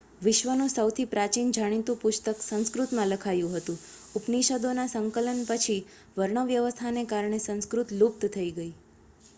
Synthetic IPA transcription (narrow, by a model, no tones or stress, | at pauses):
ʋɪʃʋənũsəwt̪ʰipɾat͡ʃind͡ʒʱaɽ̃it̪ũpʊst̪əksə̃nskɾut̪mãləkʰajũɦət̪ũ | upniʃəd̪onasəŋkələnpət͡ʃʰi | ʋəɾɳəʋjəʋəst̪ʰanekaɾɳesə̃nskɾut̪lup̚t̪t̪ʰəiɡəi